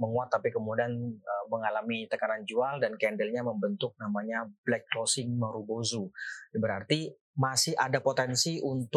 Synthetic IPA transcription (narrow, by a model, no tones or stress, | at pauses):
məŋuat̪ːapikəmudianəməŋalamit̪əkanand͡ʒualdankɛndɛlɲaməmbənt̪ʊk̚namaɲablɛk̚losɪŋməɾubozubəɾart̪i | masɪhʔadapot̪ɛnsiunt̪